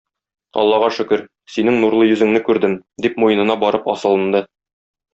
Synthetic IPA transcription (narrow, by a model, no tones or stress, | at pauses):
ɒ̰lˠːɑʁɑʃɵ̆kɘɾ | sinɘŋnuɾlˠɤjɵ̆zɘ̆ŋnɘkʉɾd̪ɘmd̪ipmujɤ̆nɤ̆nɑbɒɾɤpɒsɤ̆lˠɤ̆nd̪ɤ